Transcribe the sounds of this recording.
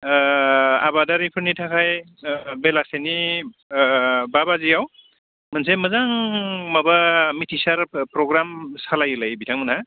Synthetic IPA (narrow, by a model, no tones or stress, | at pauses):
a̰badaɾipʰɯɾnitʰakʰaj | belaseni | babazijaw | manseməzaŋmabamitʰisaɾpɾɔɡɾamsalajulajbitʰaŋmɯnɦa